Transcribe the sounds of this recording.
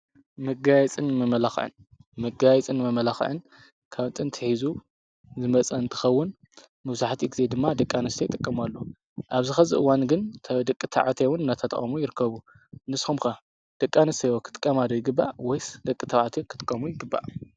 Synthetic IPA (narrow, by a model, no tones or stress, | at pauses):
mɨɡajɛt͡sʼɨnːmɐmɐlaxʕɨ̰n | mɨɡajɛt͡sʼɨnmɐmɐlaxʕɨ̰n | kʰawt̪ʼɨnt̪ʰɨħizu | zɨmɐt͡sʼɐɨnt̪ʰɨ̥xɐwːʊn | mɐβzaħt̪ʰiɡize̞d̪ɨmːad̪ɐkʼːanɨst̪ʰejɪt̪ʼɨkʼːɐmalːo | ʔaβzɨxɐzɨʔɨwanɡɨnt̪ʰɐd̪ɐkʼːɨt̪ʰaʕat̪ʰewʊnɨnːat̪ʰɐt̪ʰʼɐχʼɐmujɪɾɨkːɐβu | nɨsxumxa | d̪̥ɐkʼːanɨst̪ʰejwokʰɨ̥t̪ʼɨ̥kʼːɐmad̪ojɪɡɨbːa̰ʔwɔjsd̪ɐkʼːɨt̪ʰaʕat̪ʰekʰɨt̪ʼɨ̥kʼːɐmujɪɡɨbːa̰ʔ